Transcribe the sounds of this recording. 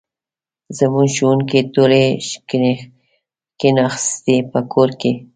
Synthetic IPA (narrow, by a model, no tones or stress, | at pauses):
zamuʃunket̪uɾe | kenaxst̪epəkʰoɾke